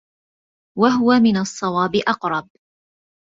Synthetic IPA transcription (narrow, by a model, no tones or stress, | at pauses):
waɦʊwamɪnɑsˤːɑwɑːbɪʔɑqɾˤɑb̚